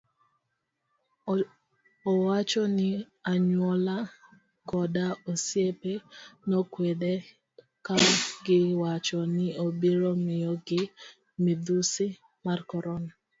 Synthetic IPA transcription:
ɔwat͡ʃɔnɪ | aɲwɔla | kɔdaosjepenɔkwede | kaɡɪwat͡ʃɔnɪobiɾɔmɪjɔɡɪ | mɪd̪usɪ | markɔɾɔna

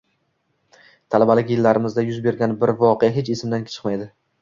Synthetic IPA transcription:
t̪ʰalabalɪkʲjɪlːaɾɪmɪzd̪ajʊzbe̞ɾɡʲanbɪɾvɒqejaɦet͡ʃesɪmd̪ankʲʰt͡ʃʰɨ̥qmajd̪ɪ

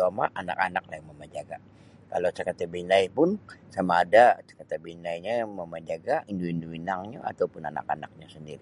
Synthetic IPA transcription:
amaʔana̰kanak̚lahjaməmad͡ʒaɡa | kalot͡ʃakat̪abinajpʊnsamaːdat͡ʃə̥kat̪abinaiɲajaməmad͡ʒaɡainduinduinaŋɲa̰a̰t̪aupʊnana̰ka̰na̰k̚ɲasəndiɾi

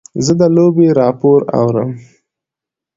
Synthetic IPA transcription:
zəd̪əlobeɾɑpoɾa̰wɾəm

